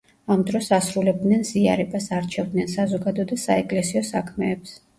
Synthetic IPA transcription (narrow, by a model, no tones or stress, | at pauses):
amd̪ɾɔsasɾulɛb̚d̪nɛnzia̰ɾɛbasaɾt͡ʃʰɛvd̪nɛnsazɔɡad̪ɔd̪asaɛkʼlɛsiɔsakʰmɛːps